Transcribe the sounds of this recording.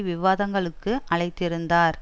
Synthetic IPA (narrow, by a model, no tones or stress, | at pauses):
ʋɪʋaːðɐŋɡɐɭɯkːɯʔɐɭɐɪt̪ːɪɾɯnd̪aːɾ